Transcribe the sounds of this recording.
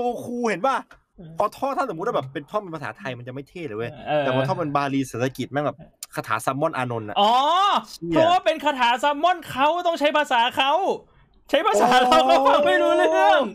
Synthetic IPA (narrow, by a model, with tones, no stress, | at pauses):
o˧kʰuː˧he˨˩˦nwaː˥˩ | pʰɔː˧t̪ʰɔː˥˩a˥˩so˨˩˦waː˥bɛː˨˩pːe˧nt̪ʰɔː˥˩pe˧npʰa˧saː˩˦t̪ʰa˧jma˧nt͡ɕa˨˩ma˥˩jt̪ʰeː˥˩t̪lːʔɤː˧˩j̪ːɛ˨˩waː˧˩t̪ʰɔː˥˩pe˧nbaː˧liː˧seː˨˦˩t̪ʰːa˧ki˨˩mɛ˧˥nbɛː˨˩pkʰaː˧t̪ʰaː˩˦sa˧˥mːɔ˥˩nʔaː˧no˧nʔa̰˨˩ʔɔː˧˦iː˧˩ɔ˧˦˧waː˥˩pe˧nkʰaː˧t̪ʰaː˩˦sa˧mːɔ˥˩nkʰa˦˥wt̪ɔ˥˩ŋt͡ɕʰa˦˥jpʰaː˧saː˨˩˦kʰa˦˥w | t͡ɕʰa˦˥jpʰaː˧saː˩˦a˦˥wkʰa˦˥pa˧˩ma˥˩jɾuː˦˥lɯ˧˥˩ɯ˥˩əŋ